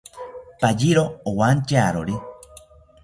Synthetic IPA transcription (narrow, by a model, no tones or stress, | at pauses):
pad͡ʒiɾoowant͡ʃaɾoɾi